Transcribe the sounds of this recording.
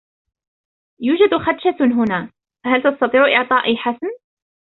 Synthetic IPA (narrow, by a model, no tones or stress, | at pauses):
juːd͡ʒad̪xat̪ːʃaɦʊnaː | fhalt̪ɑst̪ɑt̪ˤiːʕʔɪʕt̪ˤɑːʔiħasn